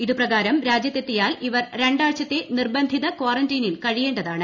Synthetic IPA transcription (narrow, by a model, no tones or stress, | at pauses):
iðuprɐɣaːɾɐmɾaːd͡ʑjɐt̪ːe̞t̪ːijaːliʋɐrɾe̞ɳɖaːɻɕɐt̪ːe̞nirbɐnd̪ʱiðɐkwaːrɐndiːnilkɐɻije̞ːɳɖɐðaːɳɨ